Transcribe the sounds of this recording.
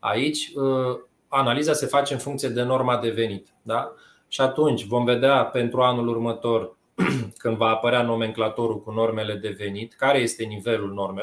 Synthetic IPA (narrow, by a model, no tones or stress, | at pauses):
a̰it͡ʃʲə | analizase̞fat͡ʃe̞ɨnfuŋkt̪sije̞d̪e̞no̞rmad̪e̞ve̞nit̪ə̥d̪a | ʃiat̪unt͡ʃʲvo̞mve̞d̪eape̞nt̪ɾuanulurmət̪o̞r | kɨnd̪vaːpəɾeano̞me̞ŋklat̪o̞ɾulkuno̞rme̞le̞d̪e̞ve̞nit̪kaɾe̞je̞st̪e̞nive̞lulno̞rme